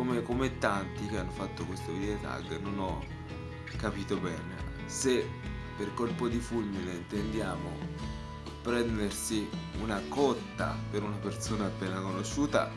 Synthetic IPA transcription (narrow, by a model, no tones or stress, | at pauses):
omekomet̪ːant̪ik̟eanːofat̪ːokwest̪oveɾet̪a̰ɡnːonɔ | kːapiːt̪obɛːnḛ | se | pːerkolpod̪ifulmineint̪end̪jaːmo | pɾɛnd̪ersiunakɔt̪ːa̰peɾunapert̪soːnaːpːeːnakonoʃːuːt̪a̰